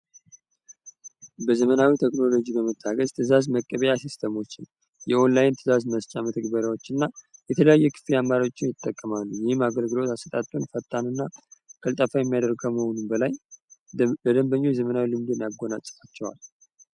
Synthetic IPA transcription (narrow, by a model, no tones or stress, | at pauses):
bəzəmənawit̪ʰekʼno̞lo̞d͡ʒibəmət̪ʰːaɡəzt̪ʰɨzazməkʼːəβəjasist̪ʰəmo̞t͡ʃːɪn | jɛo̞nlajɪnt̪ʰɨzazməst͡ʃʼamət̪ʰəɡbəɾjawo̞t͡ʃːɨnːajɛt̪ʰələjajːɛkʰɨ̥fiamːaɾao̞t͡ʃːɪnjɪt̪ʼːəkʼːəmalːujɪhɨmaɡəlɡɨlo̞t̪asət̪ʼat̪ʼːonfət̪ʼːanɨnːakʰəlt̪ʼafajɛmːijad̪əɾɡ̚kʰəməho̞numbəlaj | ləd̪əmbəɲːozəmənawilɨmd̪enjaɡːo̞nat͡ʃʼːfat͡ʃːɛwa̰l